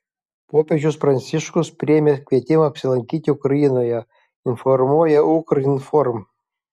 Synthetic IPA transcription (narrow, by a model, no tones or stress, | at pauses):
poːpʲeʒʲʊsfɾɐnʲsʲiʃkʊspʲɾʲeːmʲekʲʋʲiɛt̪ʲɪmɐɐpʲsʲɪlˠɐŋʲkʲiːt̪ʲɪʊkɾɐjinoːjɛ | ɪnfɔrmuɔjɛukɾɐinfɔrm